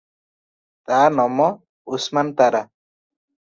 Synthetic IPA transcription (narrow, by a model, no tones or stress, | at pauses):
t̪anɔmɔ | usmant̪aɾa